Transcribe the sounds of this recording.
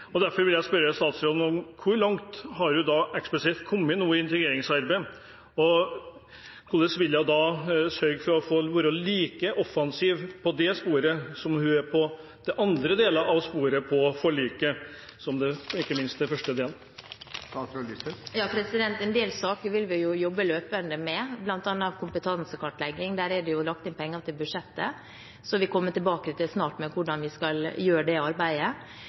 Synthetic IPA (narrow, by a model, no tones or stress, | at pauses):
ɔd̪æɾfɔɾʋɪljæɪspœɾːəst̪ɑːt̪sɾɔnɔmkʰʊɾɭɑŋt̪hɑɾhʉd̪ɑɛksplɛsɪt̪kʰɔmːənuːəɪnt̪ɾəɡeːɾɪŋsɑɾbəɪ | ɔ | kʰʊləsʋɪljæɪd̪ɑːsœɾɡfɔɾɔfoːʋʊɾɔliːkəʔɔfːɑnsiːʋpʰɔd̪ɛspuːɾəsɔmhʉæɾpʰɔ | d̪̥ɛʔɑnd̪ɾəd̪eːləɾʔɑʋspuːɾəpʰɔfɔɭyːkə | sɔmd̪ɛɪkːəmɪnst̪̚d̪ɛfœʂʈəd̪eːl | t̪lɪjɑːpʰɾɛsɪd̪ɛnt̪ɛnd̪eːlsɑːkəɾʋɪlʋɪjʊjɔbːəløːpənd̪əmɛblɑnt̪ɑnːəɑʋkʰʊmpət̪ʰɑnsəkʰɑʈlɛɡːɪŋd̪æːɾæɖɛjʊlɑkt̪ɪnpʰɛŋːət̪ʰɪlbʉʂɛt̪ːə | sɔʋɪkʰɔmːət̪ɪlbɑːkɾɪt̪əsnɑːʈmɛʋʊɖɑnʋɪskɑljøːɾəɖɛɑɾbæɪə